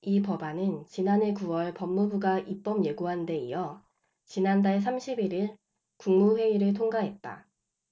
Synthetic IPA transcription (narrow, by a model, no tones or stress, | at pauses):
ipʌbanɯnt͡ɕinane̞kuwʌɭpʌmːubuɡaʔip͈ʌmje̞ɡuɦande̞ḭjʌ | t͡ɕinandaɭs̬ʰamɕʰibiɾiɭ | kuŋmuɸwe̞iɾɯɭtʰoŋɡaɦe̞t̚t͈a̰